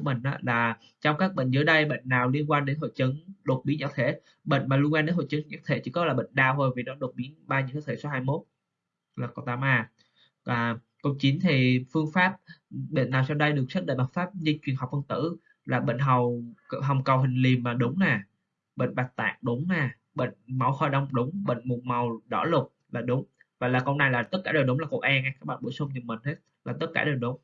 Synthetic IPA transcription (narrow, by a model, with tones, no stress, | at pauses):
mï˧˨˩ŋ̟ʔaː˨˦laː˨˩ | t͡ɕɔ˧wŋ͡mkaː˦˥k̚ɓə̰˧˨ŋ̟zɨ˨˦jɗə˧jɓḛ˧˨ŋ̟naː˨˩wli˧ənkwaː˧nɗe˨˦nɦo̰˧˨jt͡ɕə˨˦ŋɗo˨˩t̚ɓi˨˦ɲa̰˧˥t̪ʰe˧˩˦ | ɓə̰˧˨jŋ̟maː˨˩lu˧ənwaː˧ɗe˨˦nɦo̰˧˨jt͡ɕə˨˦ŋ˨˩˨ɲa̰˧˥t̪ʰḛ˧˩t͡ɕɨ̰˧˩˦kɔ˨˦laː˨˩ɓə̰˧˨ŋ̟ɗaː˧wt̪ʰo˧jvi˨˩nɔ˨˦ɗo˨˩t̚ɓi˨˦ənɓaː˧ɲi˧˨t̪ʰəː˨˦t̪ʰe˧˩so˨˦haː˧jmo˦˥t̚ | laː˨˩ko˨˩t̪aː˨˦mʔaː˧˩ | aː˨˩ | ko˧˦t͡ɕi˨˦nt̪ʰi˨˩fɨ˧əŋfaː˦˥p̚ɓḛ˧˨naː˨˩wsa˧wɗə˧jɗɨ˨˩ək̚sə˦˥t̚ɗə̰˧˨ma˨˩faː˦˥p̚ɲɨ˧t͡ɕwi˨˩ənha˨˩k͡p̚fə˧ŋt̪ɨ̰˧˥ | laː˨˩ɓḛ˧˨ŋɦa˨˩wɦə˨˩wŋ͡mkə˨˩wɦï˨˩ŋ̟li˨˩mmaː˨˩ɗʊ˨˦ŋ͡mnaː˨˩ | ɓḛ˧˨ŋ̟ɓa˨˩t̪a̰ː˧˨ŋ̚ɗʊ˨˦ŋ͡mnɛː˨˩ | ɓḛ˧˨ŋ̟ma˨˩wxɔ˧˩jɗə˧wŋ͡mɗʊ˨˦ŋ͡mɓə̰˧˨ŋ̟mu˨˩t̚mə˨˩wɗɔ̰˧˩lʊ˨˩k͡p̚ | laː˨˩ɗʊ˨˦ŋ͡m | vaː˨˩laː˨˩kə˧wŋ͡mna˨˧jlaː˨˩t̪ə˦˥t̚kaː˧˩ɗə˨˩jɗʊ˨˦ŋ͡mlaː˨˩ko̰˧˩ʔaː˧naː˧˩kaː˦˥ɓaː˧˨˩ɓṵ˧˩˦sʊ˧ŋ͡mɲɨ˨˩mï˨˩ŋ̟he˦˥t̚laː˨˩t̪ə˦˥t̚kaː˧˩ɗəː˨˩jɗʊ˨˦ŋ͡m